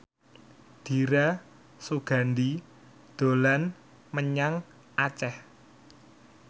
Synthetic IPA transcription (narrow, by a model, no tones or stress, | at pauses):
d̪̥i̤ɾa | soɡ̥a̤nd̪i | d̪̥o̤lan | məɲaŋ | ʔat͡ʃɛh